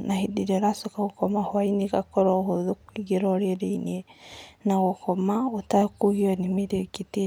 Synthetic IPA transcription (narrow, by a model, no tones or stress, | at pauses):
nahidiɾeɾasokaɣokɔmahwainiɣakɔɾɔhoðukwiɡeɾɔɾeɾeinenaɣokɔmaotakuɣiɔnimeɾekite